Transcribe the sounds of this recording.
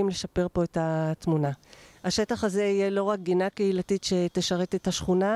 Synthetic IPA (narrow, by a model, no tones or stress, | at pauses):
imle̞ʃape̞ʁpo̞etatmunahaʃe̞taχazeijelo̞ʁak̚ɡinakeilatitʃe̞teʃaʁe̞tethaʃχuna